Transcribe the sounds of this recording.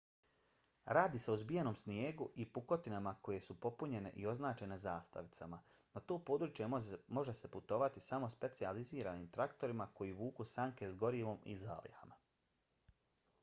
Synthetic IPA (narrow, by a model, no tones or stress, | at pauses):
ɾaːd̪iːseuzbijeno̞ːmsnieːɡuʔipuko̞t̪inamako̞je̞supo̞puɲe̞ne̞̰ʔio̞znaːt͡ʃe̞ne̞zaːst̪a̰ʋit̪samanat̪o̞ːpo̞ːd̪ɾut͡ʃje̞mo̞ʒe̞se̞put̪o̞ʋat̪isamo̞spe̞t̪sializiːɾaniːmt̪ɾakt̪o̞ɾimako̞jiʋuːkusaŋke̞zɡo̞ɾiːʋo̞mḭza̰ːlḭha̰ma